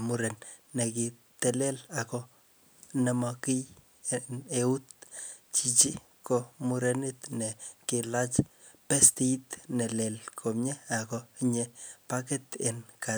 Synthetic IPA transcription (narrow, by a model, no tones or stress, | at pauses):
muɾenː | eki | t̪elelako | nemɔkij | neut̪̚ | t͡ʃit͡ʃi | komuɾenit̪nekɪlat͡ʃ | pest̪iit̪nelelkʰomɲeakoiɲepaket̪enka